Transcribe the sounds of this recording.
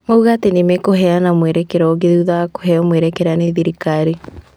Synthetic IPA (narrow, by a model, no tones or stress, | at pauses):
ŋouɣaːtenemekoɦɛanamweɾekeɾɔɣeðuðako̥ɦɛɔmweɾekɛɾaneðiɾikaɾi